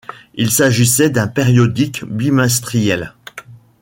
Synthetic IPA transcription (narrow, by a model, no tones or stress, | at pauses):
ilsaʒisɛd̪ɛ̃peʁjɔd̪ikbimɛ̃s̬t̪χijɛl